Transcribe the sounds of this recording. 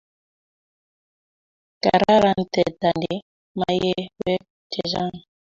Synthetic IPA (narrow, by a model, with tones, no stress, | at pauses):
ka˨ɾa˦ɾa˦˨n̩˨tɛ˨ta˨nde˨˦ | ma˦je˦wɛ˦ | t͡ʃɛ˨za˦˨ŋ